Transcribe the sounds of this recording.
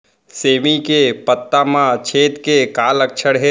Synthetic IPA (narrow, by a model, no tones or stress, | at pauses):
seːmikepət̪ːamãt͡ʃʰeːt̪kekaːləkʃʰəɽɦe